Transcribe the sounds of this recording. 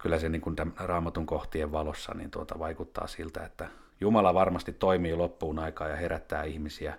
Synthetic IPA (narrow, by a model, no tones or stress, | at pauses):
kylːæseniːŋkunt̪æmrɑːmɑt̪uŋkoht̪ieʋʋɑlosːɑ̰nḭːnt̪uot̪ɑʋɑikut̪ːɑ̰ːsilt̪æ̰et̪ːæ | jumɑlɑʋɑrmɑst̪it̪toimiːlopːuːnɑikɑːjɑheɾæt̪ːæ̰ːihmisiæ